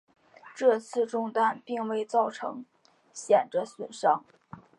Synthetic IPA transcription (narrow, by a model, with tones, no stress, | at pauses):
ʈ͡ʂɤ˥˧t͡sʰɹ̩˥˧ʈ͡ʂʊ˥˧ŋt̪a˥˩npi˥˧ŋwe˥˧ɪt͡sɑ˥˩ʊʈ͡ʂʰɤ̰˧˥ŋ | ɕjɛ˨˩nʈ͡ʂə˦swə˨˩nʂɑ˥ŋ